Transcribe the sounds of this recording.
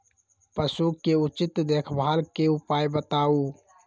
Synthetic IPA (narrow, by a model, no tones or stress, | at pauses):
pəsuːkeʊt͡ʃɪt̪d̪eːkʰbʱaːlkeʊpaːjbət̪aːuː